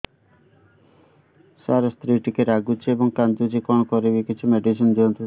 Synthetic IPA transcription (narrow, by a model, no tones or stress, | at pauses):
saɾɔst̪ɾiʈikeɾaɡut͡ʃʰiebɔŋkand̪ud͡ʒikɔɳ̃kɔɾebikit͡ʃʰumeɖisɔnd͡ʒiɔnt̪ɔ